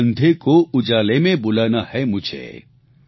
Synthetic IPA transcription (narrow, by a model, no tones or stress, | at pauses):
nd̪ʱekoʊd͡ʒaːlemẽbolanahɛmʊd͡ʒʰʱḛ